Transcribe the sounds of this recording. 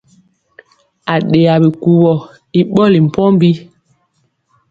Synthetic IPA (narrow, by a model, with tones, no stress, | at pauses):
a˨ɗe˨a˨bi˨ku˨wɔ˨ | i˨ɓɔ˦li˨m̩˨pɔ˦m˦bi˦